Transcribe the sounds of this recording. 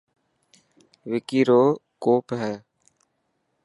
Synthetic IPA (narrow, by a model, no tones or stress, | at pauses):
ʋɪkiːɾoːkoːpɦɛː